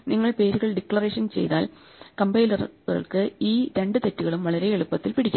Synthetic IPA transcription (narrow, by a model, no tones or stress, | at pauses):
niŋːɐɭpe̞ːɾuɣɐɭɖikːɭɐre̞ːʂɐnt͡ɕejt̪a̰ːl | kɐmbɐjlɐrɣɐ̰ɭkɨiːɾe̞ɳɖɨt̪e̞tːuɣɐɭumʋɐɭɐɾeeɻupːɐt̪ːilpiɽikʲːa